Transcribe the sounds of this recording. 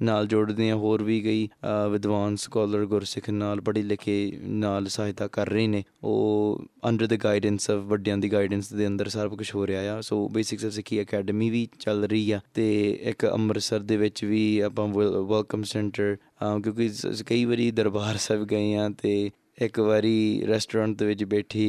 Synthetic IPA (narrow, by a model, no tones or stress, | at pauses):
naːld͡ʒʊɽd̪eːãːɦoːɾʋiːɡəiːʋɪd̪ʋaːnskɔːləɾɡʊɾsɪkʰnaːlbəɽiːlɪkʰeːnaːlsaːɦɪt̪aːkəɾːəeːneːo̰ːə̰̃ɳɖəɾd̪əɡaːɪɖənsɔʋʋəɖijãːd̪iːɡaːɪɖənsd̪eːənd̪əɾsəɾbkʊt͡ʃʰɦoːɾjaːjaːsoːbeːsɪksəsɪkʰiːəkɛːɖəmiːʋiːt͡ʃəlɾəiːɛːt̪eːɪ̰kə̰məɾsəɾd̪eːʋɪt͡ʃʋiːaːpãːʋəlkəmsɛːɳʈəɾ | kjõːkɪkəiːʋəɾiːd̪əɾbaːɾsɛːbɡəeːãːt̪eː | ɪkʋaːɾiːɾɛːsʈoːɾãːɳʈ̚d̪eːʋɪt͡ʃbɛːʈʰeː